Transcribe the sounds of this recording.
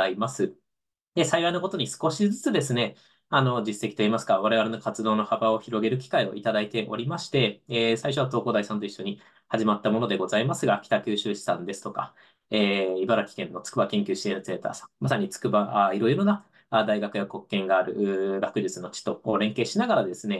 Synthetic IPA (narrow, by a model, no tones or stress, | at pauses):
imasɨ | d̪esaiβainoko̞t̪o̞ɲ̟isɨ̥ko̞ɕid͡zɨt͡sɨd̪e̞sɨne̞ | ano̞d͡ʑisːe̞kʲi̥t̪o̞imasɨ̥ɡaβaɾe̞β̞aɾe̞no̞kat͡sɨd̪o̞ːno̞habao̞çiɾo̞ɡe̞ɾɯ̟kʲi̥kaio̞̰ʔit̪ad̪ait̪e̞ʔo̞̰ɾʲimaɕi̥t̪e̞esaiɕ̬o̞βat̪o̞ːko̞ːd̪aisãnt̪o̞iɕːoɲ̟i | haʑimat̪ːamo̞no̞d̪e̞ɡo̞zaimasɨɡakʲi̥t̪akʲɨːɕɨːɕi̥sãnd̪e̞sɨ̥t̪oka | eːibaɾakʲi̥kẽ̞nːo̞t͡sɨ̥kɯ̟bakẽ̞ŋkʲɨːɕi̥t̪e̞ɾɯt͡se̞ːt̪a̰ːsḁ̃mmasaɲ̟it͡sɨ̥kɯ̟baʔaiɾo̞iɾo̞na | ad̪aiɡakɯjako̞kːẽ̞ŋɡaːɾɯ̟̰ʔɾakɯ̟d͡ʑit͡sɨno̞t͡ɕi̥t̪o̞koːɾẽ̞ŋke̞ːɕinaɡaɾad̪e̞sɨne̞